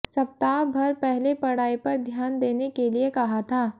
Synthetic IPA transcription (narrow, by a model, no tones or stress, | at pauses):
sɐpt̪aːbʱɐɾpɛɦlepɐɽaːipɐɾd̪ʱjaːnd̪eːnekeliekɐɦat̪ʰaː